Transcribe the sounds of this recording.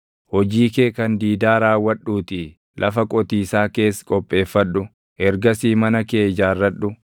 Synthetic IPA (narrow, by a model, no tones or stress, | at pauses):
hɔd͡ʒiːkeːkɐnd̪iːd̪aːɾaːwːɐᶑːuːt̪ɪ | lʔɐfɐkʼɔt̪iːsaːke̞ːskʼɔpʼːe̞ːfːɐᶑʊ | ɛɾɡɐsiːmɐnɐke̞ːd͡ʒaːrːɐᶑʊ